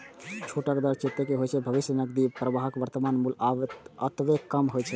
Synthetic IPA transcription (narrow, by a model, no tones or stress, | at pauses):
t͡ʃʰoʈəkd̪əɾt͡ʃit̪ːəkeɦojt͡ʃʰɛbʱəʋisjənəɡd̪ipɾəbaɦəkʋəɾt̪əmanmulaət̪ʋekəmɦojt͡ʃʰɛ